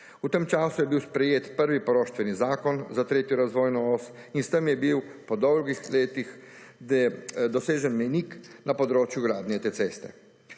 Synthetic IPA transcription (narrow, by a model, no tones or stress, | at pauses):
ut̪emt͡ʃaːsujɛbiwspɾɛjeːt̪pəɾʋipɔɾoːʃt̪ʋɛnizaːkɔnzat̪ɾeːt̪jɔɾazʋoːjnɔɔs | inst̪əmjɛbiwpɔd̪ɔwlɡixleːt̪ixɛd̪ɔseːʒɛnmɛjniknapɔd̪ɾoːt͡ʃjuɡɾaːd̪nʲɛt̪eːtseːst̪ɛ̰